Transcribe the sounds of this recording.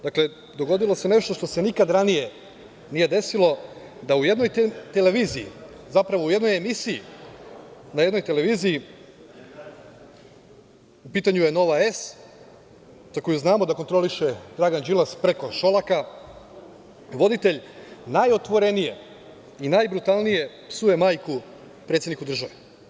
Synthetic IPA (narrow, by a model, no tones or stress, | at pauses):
d̪akle̞ | d̪o̞ɡo̞d̪ilˠo̞se̞ne̞ʃt̪o̞ʃt̪o̞se̞nikad̪ɾanije̞ | nije̞d̪e̞silˠo̞ | d̪aujed̪no̞jt̪ele̞ʋiːzḭː | zapɾaʋo̞uje̞d̪no̞jemisiː | najed̪no̞jt̪ele̞ʋiːziː | upiːt̪aɲuje̞no̞ʋaes | zako̞juznaːmod̪ako̞nt̪ɾo̞liʃed̪ɾaɡand͡ʒilaspɾeko̞ʃo̞laka | ʋo̞d̪it̪e̞ʎnajo̞t̪ʋo̞ɾe̞nije̞ | inajbɾut̪alˠnije̞ | psuje̞maːjku | pɾe̞t̪sjed̪nikud̪ɾ̩ʒaʋe